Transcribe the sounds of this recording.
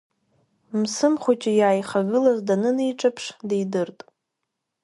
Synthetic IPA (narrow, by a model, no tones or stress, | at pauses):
msɨmχʷot͡ʃʼajaːjχaɡɨlazdanɨnejʈ͡ʂʼapʰʂdejdɨrtʼ